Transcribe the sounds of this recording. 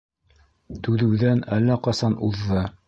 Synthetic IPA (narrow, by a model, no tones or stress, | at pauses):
t̪ʉðɘ̆wðænælːæqɑsɑnuðːɤ